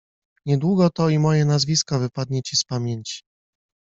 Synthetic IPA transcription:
ɲɛd̪wuɡɔt̪ɔimɔjɛnazvʲiskɔvɘpad̪̚ɲɛt͡ɕispamʲjeɲt͡ɕi̥

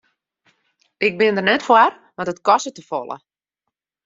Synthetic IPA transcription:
ʔɪk̚bɪndərnɛtfwar | ʋɔtətkɔsətəfɔ̰lˠə̰

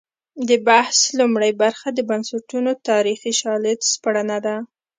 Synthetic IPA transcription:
d̪əbahslumɽajbaɾxad̪əbansaʈunot̪ɑɾixiʃɑlet̪spaɽanad̪a

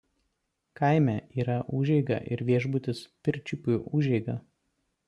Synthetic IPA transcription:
kɐɪmʲɛiːɾɐʔuːʒʲɛɪɡɐ̰ʔɪ̰ɾʋʲiɛʒbʊt̪ʲɪspʲɪɾʲt͡ʃʲʊpʲʊʔʊʒʲɛɪɡɐ

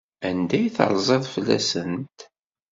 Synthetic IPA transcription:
ænd̪æjθə̰ɾˤzˤeðˤflːæ̰sənt̪

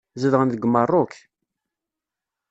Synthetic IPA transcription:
zəðʁənðəɡmərˤːʊk

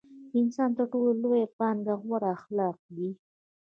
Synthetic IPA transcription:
ɪnsɑnt̪əɾʈololojapɑŋɡaɣwaɾaːxlɑq̚d̪i

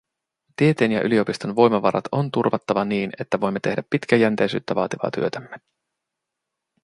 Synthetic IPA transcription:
t̪ie̞t̪eːnjɑʔylio̞pist̪o̞nʋo̞jmɑʋɑ̰ɾɑ̰t̪o̞nt̪urʋɑt̪ːɑʋɑniːne̞t̪ːæʋo̞jmːe̞t̪e̞ɦdæpːit̪k̟æjænt̪ejsy̰ːt̪ːæʋɑ̰ːt̪iʋɑ̰ːt̪y̰øt̪æmːe

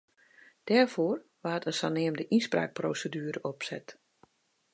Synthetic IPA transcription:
d̥ɛrfoːrʋaətənsanɪəmdəʔispra̰ːk̚prowsədyːəɾəʔɔpsɛ̰t

